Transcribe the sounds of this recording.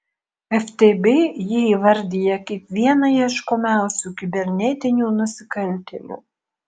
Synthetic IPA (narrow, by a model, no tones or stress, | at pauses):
ɛft̪ʲebʲejɪiːʋɐɾʲd̪ʲijɛkʲiɛkʋʲiɛnɐjiɛʃkomʲæˑʊsʲuːkʲɪbʲɛɾʲnʲɛt̪ʲɪnʲuːnʊsʲɪkɐlʲt̪ʲɛlʲṵː